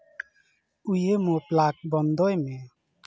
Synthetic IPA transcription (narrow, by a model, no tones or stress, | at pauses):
ujəmoplak̚bɔnd̪ɔjmɛ